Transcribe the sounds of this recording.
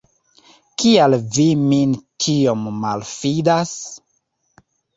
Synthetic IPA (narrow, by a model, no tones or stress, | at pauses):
kialvimintʰiomːalfidas